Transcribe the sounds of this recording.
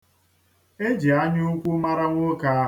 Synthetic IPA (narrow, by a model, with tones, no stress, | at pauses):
e˦d͡ʒi˨a˦ɲu˦kʷu˦ma˦ɾa˦ŋʷo˦ka˦